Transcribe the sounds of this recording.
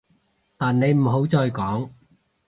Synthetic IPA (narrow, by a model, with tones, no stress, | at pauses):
t̪aː˨nne˨˧jm̩˨˩ɦo˨˥wt͡sɔː˧jkɔː˨˥ŋ